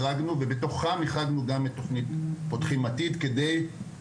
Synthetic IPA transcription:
aɡnuvebe̞to̞χamiχaɡnuɡamet̪ːo̞χnitpotχimatid̪kede̞j

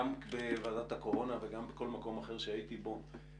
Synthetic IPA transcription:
ambevaːdat̪ako̞ʁo̞naveɡambeko̞lmako̞maχeʁʃeait̪ibo̞

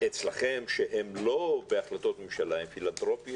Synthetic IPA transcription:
et͡slaχe̞mʃeɦemlo̞beaχlat̪o̞t̪memʃalaimfilant̪ʁo̞pi

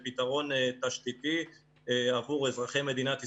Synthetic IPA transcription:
pit̪aʁo̞nt̪aʃt̪it̪i | eavuʁezʁaχejme̞d̪inat̪i

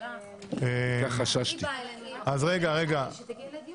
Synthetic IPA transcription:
eaχaʃaʃt̪iazʁeɡaʁeɡa

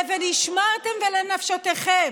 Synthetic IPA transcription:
veniʃmat̪emvelenafʃot̪eχem

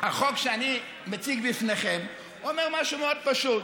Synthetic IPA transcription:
haχokʃeani | met͡siɡbifneχem | omeʁmaʃumeod̪̚paʃut

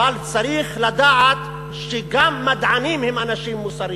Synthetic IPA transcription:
alt͡saɾiχlad̪aʕat̪ | ʃeɡamːad̪ʕanimhemanaʃimːusaɾi

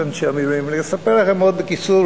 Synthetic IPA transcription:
enʃeamiluimleesapeʁlaχemod̪bekit͡su

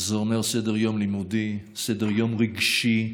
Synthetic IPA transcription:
zoʁneʁsed̪eʁjomlimud̪i | sed̪eʁjomʁiɡʃi

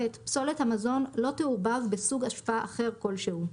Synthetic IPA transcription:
etpso̞lethamazo̞nlo̞teuʁbavbesuɡaʃfaaʔaχe̞ʁko̞lʃehu

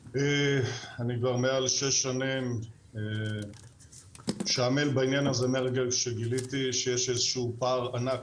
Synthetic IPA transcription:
eanikvaʁmealʃeʃːanim | e | ʃeamelbainjanazemeʁɡelkʃeɡilit̪iʃejeʃezeʃuupaʁanak

